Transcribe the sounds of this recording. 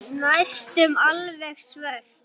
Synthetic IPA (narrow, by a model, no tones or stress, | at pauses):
najst̪ʏmalvɛxsvɛɾ̥